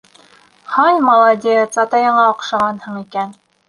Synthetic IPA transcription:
χɑnʲmɐlˠɑd̪ʲejət̪sɑt̪ɑjɤ̆ɴɑoqʃɑʁɑnhɤɴikæn

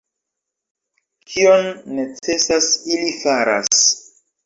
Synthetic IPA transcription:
kʰio̞nːe̞t͡se̞sasilifaɾa̰s

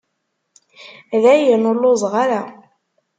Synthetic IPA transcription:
ðæjənʊɾlʊzˤʁaɾa

